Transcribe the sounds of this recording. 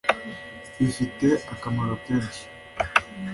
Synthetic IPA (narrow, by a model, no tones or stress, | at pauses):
ifiteakamaɾokeːnʃi̥